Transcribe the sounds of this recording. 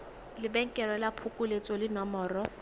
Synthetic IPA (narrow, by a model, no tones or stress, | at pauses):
lɪbɛŋ̩kʼɛrwɛlapʰʊkʼʊlet͡sʼɔlɪnɔmɔːrɔ